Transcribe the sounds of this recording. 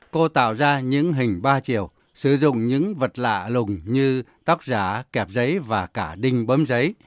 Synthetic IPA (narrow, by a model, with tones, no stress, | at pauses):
ko˧t̪a̰ː˧˨wzaː˧ɲɨ̰˧˥ŋɦï˨˩ŋ̟ɓaː˧t͡ɕi˧˩əw | sɨ˧˩zʊ̰˧˨ŋ͡mɲɨ̰˧˥ŋvə˨˩t̚la̰ː˧˨lʊ˨˩ŋ͡mɲɨ˧t̪a˦˥wk̚zaː˧˩kɛ˨˩p̚zə˨˦jvaː˨˩kaː˧˩ɗï˧ŋ̟ɓəː˨˦mzə˨˦j